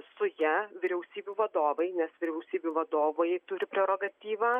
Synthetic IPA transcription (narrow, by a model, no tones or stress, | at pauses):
sʊjɛʋʲɪɾʲɛʊsʲiːbʲuːʋɐd̪oːʋɐɪnʲɛsʋʲɪɾʲɛʊsʲiːbʲuːʋɐd̪oːʋoːjɛt̪ʊɾʲɪpʲɾʲɛɾoːɡɐt̪ʲiːʋɑː